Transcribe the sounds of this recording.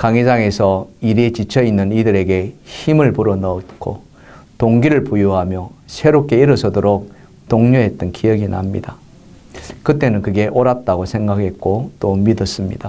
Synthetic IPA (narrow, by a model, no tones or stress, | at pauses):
kaŋid͡ʑaŋe̞sʰʌiɾet͡ɕit͡ɕʰʌinːɯnidɯɾe̞ɡe̞çimɯɭpuɾʌnʌt̚k͈ʰo̰ | toŋɡiɾɯɭpujuɦamjʌsʰe̞ɾok͈e̞iɾɯsʰʌdoɾok̚ | toŋɲoɦe̞t̚t͈ɯnkʰijʌɡina̰mɲḭda | kɯt͈e̞nɯnkɯɡe̞ʔoɾat̚t͈aɡosʰe̞ŋɡakhe̞t̚k͈ot͈omidʌs͈ɯmɲḭda